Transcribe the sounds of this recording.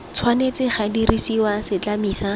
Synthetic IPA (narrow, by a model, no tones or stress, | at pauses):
t͡sʰwanet͡sɪχadirisiwasɪt͡ɬamiːsa